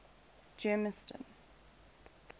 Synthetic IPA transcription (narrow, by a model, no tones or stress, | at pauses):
d͡ʒɛːməstə̰̃n